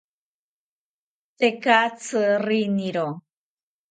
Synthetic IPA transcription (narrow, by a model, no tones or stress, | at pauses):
t̪ekat͡sɨriniɾo